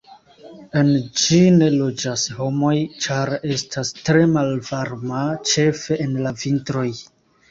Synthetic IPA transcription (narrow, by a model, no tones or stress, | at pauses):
e̞nd͡ʒine̞lo̞d͡ʒasho̞mo̞jt͡ʃaɾe̞stʰastɾe̞malvaɾmat͡ʃe̞fe̞ʔenlavintɾo̞j